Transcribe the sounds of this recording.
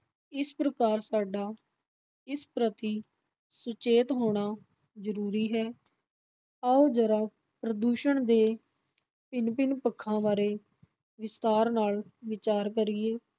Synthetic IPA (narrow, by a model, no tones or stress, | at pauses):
ɪspɾəkaːɾsaːɖaː | ɪspɾət̪iː | sʊt͡ʃeːt̪ɦoːɽ̃aː | zəɾuːɾiːɦɛː | əoːd͡ʒəɾaː | pɾəd̪uːʃəɳd̪eː | pɪnpɪnpəkʰːãːʋaːɾeː | ʋɪst̪aːɾnaːlʋɪt͡ʃaːɾkəɾɪeː